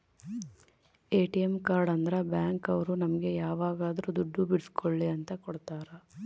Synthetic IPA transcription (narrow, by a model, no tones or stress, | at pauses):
eːʈijemkaːɾɖɐnd̪ɐɾɐbjaːŋkɐʋɐɾunɐmɐɡe̞jaːʋaːɡaːd̪ɐɾud̪uɖːubiɽiskʰoɭːiɐnt̪ɐkɔɽt̪aːɾɐ